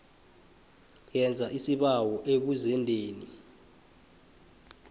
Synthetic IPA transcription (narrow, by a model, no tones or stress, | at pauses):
jɛnd͡zʱaʔisiɓawɔʔeɓ̬uzɛndʱeːni